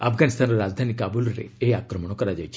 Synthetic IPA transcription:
a̰fɡanist̪ʰanoɾad͡ʒd̪ʱanikabuloɾḛeakɾəməɽ̃okəɾad͡ʒajt͡ʃʰe̥

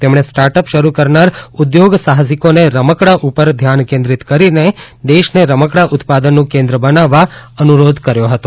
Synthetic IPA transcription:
t̪emɳ̃esʈaɾʈəpʃəɾukəɾnaɾud̪joɡsaɦəsikoneɾəməkɽaʔupəɾd̪ʱjankẽnd̪ɾit̪kəɾine | d̪eʃneɾəməkɽaʔut̪pad̪ənːũkẽnd̪ɾəbənaʋːaənuɾod̪ʱkəɾjoɦət̪o

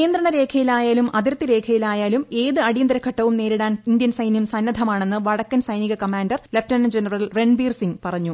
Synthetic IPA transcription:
keːnd̪ɾɐɳɐɾe̞ːkʰɐjilaːjaːlumʔɐðiɾt̪ːiɾe̞ːkʰɐjilaːjaːlume̞ːðɨɐɽijɐnd̪ɐɾɐkʰːɐʈːɐʋumne̞ːɾiɽaːnind̪jɐnsɐjnjɐmsɐnːɐd̪ʱɐmaːɳe̞nːɨʋɐɽɐkːɐnsɐjniɣɐkɐmaːndɐrleftɐnɐnd͡ʑenɐrɐlre̞ɳbiːrsiŋpɐrɐɲːu

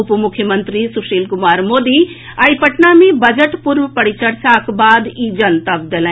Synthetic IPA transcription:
ʊpmʊkʰjəmə̃nt̪ɾisʊʃeːlkʊmaːɾmoːd̪i | aipəʈnamẽbɐd͡ʒəʈpʊɾʋpɐɽit͡ʃəɾsakbaːd̪id͡ʒɐnt̪ɐbd̪elɛ̃ː

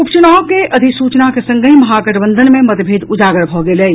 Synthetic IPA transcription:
ʊpt͡ʃʊnaːokeʔɐd̪ʱɪksuːt͡ʃnakesɐ̃ŋɡəimɐɦaːkəʈbə̃nd̪ʱənmẽmɐt̪bʱeːd̪ʊd͡ʒaːɡəɽbʱoːɡelei

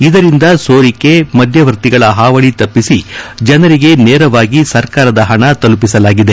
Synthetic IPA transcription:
id̪ɐɾind̪ɐsoːɾikːe̞mɐd̪ʱjɐʋɐɾt̪iɡɐɭɐɦaːʋɐɭit̪ɐpːisid͡ʒɐnɐɾiɡe̞neːɾɐʋaːɡisɐɾkaːɾɐd̪ɐɦɐɳɐt̪ɐlup̬isɐlaːɡid̪e̞

